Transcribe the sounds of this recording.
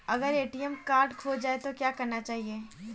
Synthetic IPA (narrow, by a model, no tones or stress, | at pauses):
ɐɡəɾeːʈijɛmkaːɾʈkʰod͡ʒaːet̪okjaːkɐɾnat͡ʃaːɦieː